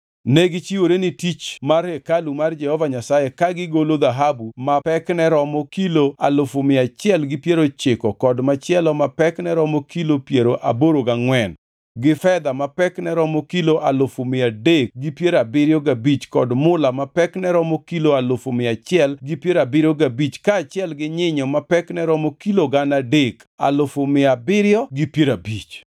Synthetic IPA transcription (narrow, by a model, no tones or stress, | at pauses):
nɛɡɪt͡ʃiwoɾenɪtit͡ʃmarhɛkalumard͡ʒɛhɔvaɲasajekaɡɪɡolod̪aɦabumapɛknɛɾɔmɔkiloalʊfomɪat͡ʃɪɛlɡɪpjeɾot͡ʃɪkɔkɔdmat͡ʃɪɛlɔmapɛknɛɾɔmɔkilopjeɾoʔa̰boɾoɡaŋwɛn | ɡɪfɛd̪amapɛknɛɾɔmokiloʔalʊfomɪadek̚ɡɪpjeɾabɪɾjɔɡabit͡ʃkɔdmʊlamapɛknɛɾɔmokiloalʊfomɪat͡ʃɪɛlɡɪpjeɾabɪɾoɡabit͡ʃkaːt͡ʃjɛlɡɪɲɪɲɔmapɛknɛɾɔmokiloɡanadek | a̰lʊfʊmɪabɪɾjɔɡɪpjeɾabit͡ʃ